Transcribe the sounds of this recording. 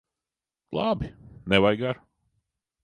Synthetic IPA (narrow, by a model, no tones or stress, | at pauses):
lˠabinɛvajɡaɾ